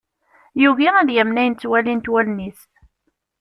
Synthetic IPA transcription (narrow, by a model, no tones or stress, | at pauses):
juɣiæðjæmnæjnt͡sːwælint̪wælnisθ